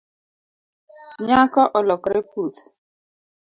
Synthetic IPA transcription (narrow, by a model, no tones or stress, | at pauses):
ɲakɔʔɔlɔkɾɛkut̪